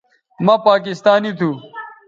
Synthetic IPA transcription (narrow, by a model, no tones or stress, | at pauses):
mãpaːk̬ist̪aːnit̪ʰuː